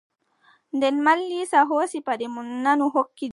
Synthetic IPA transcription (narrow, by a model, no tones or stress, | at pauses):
ndɛnmalːisaɦoːsipadɛmunːanuɦokːi